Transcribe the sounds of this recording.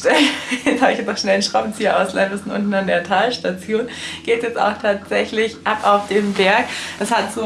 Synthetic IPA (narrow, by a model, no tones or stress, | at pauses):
tɛɛt͡shabɪçjɛt͡snɔxʃnɛlnʃʁ̥aʊbn̩t͡siːɐʔaʊsla̰ndvɪsn̩ʔʊ̰ntn̩andeːɐtʰaːlʃtat͡sjoːnɡ̥eːtjɛt͡sta̰ʊxtʰaːtz̥ɛçlɪçʔapaʊfd̥eːmbɛɐkd̥ashatz̥oː